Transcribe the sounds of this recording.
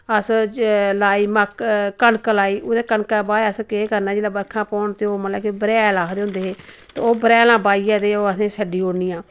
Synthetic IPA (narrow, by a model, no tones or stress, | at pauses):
əslaːiːməkkəɳklaːiːʔoːd̪eːkəɳkaːbaːəskeːkəɾnaːd͡ʒeːlãːbəɾkʰãːpɔːɳt̪eoːmət̪ləbkbəɾɛːlaːkʰd̪eːɦʊ̃nd̪eːɦeː | t̪eoːbəɾɛːlãːbaːiːɛːt̪eːoːəsẽːsəɖiːoːɽniːãː